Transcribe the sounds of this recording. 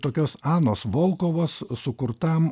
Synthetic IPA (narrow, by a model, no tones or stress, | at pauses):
t̪oːkʲoːsɑːnoːsʋolˠkoːʋoːssʊkʊɾt̪ɐm